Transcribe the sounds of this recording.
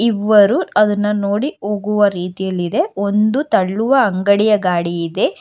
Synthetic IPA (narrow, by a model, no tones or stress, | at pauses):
iʋːɐɾuɐd̪ɐnːɐno̞ːɽioːɡuʋɐɾiːt̪ijɐlːid̪e̞o̞nd̪ut̪ɐɭːuʋɐɐŋɡɐɽijɐɡaːɽiːd̪e̞